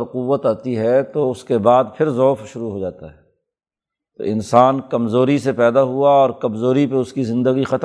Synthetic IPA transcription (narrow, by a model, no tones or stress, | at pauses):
ɾqʊʋːət̪aːt̪iɦɛt̪oʊskebaːd̪pʰɪɾzɔːfʃʊɾuɦod͡ʒaːt̪aɦɛː | t̪o̰ɪnsaːnkɐmzoːɾisepɛːd̪aɦuaɔːɾkɐmzoːɾipeʊskizɪ̃nd̪əɡixɐt̪